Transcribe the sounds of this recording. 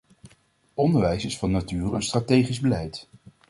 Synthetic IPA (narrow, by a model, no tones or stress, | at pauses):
ɔndəɹʋɛjsɪsfɑnatyːrənstratejχizbəlɛjt